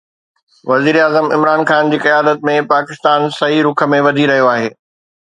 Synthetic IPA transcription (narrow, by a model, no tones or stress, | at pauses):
ʋɐziːɾaːzəmɪ̰mɾaːnxaːnd͡ʑiːkɐjaːd̪ət̪̚mẽpaːkɪst̪aːnsɐɦiɾʊkʰə̆mẽʋɐd̪ʱiɾɐɦijoaːɦeː